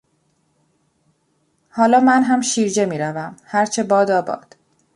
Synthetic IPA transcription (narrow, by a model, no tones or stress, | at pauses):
hɒːlɒːmænɦæmʃiːɾd͡ʒe̞miːɾævæmhæɾt͡ʃʰe̞bɒːd̪ɒːbɒ̰ːd̪̥